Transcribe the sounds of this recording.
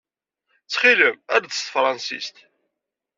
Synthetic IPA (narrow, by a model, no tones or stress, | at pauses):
t͡sːχiləmæɾd̪əst̪əfɾˤɑnsḭst̪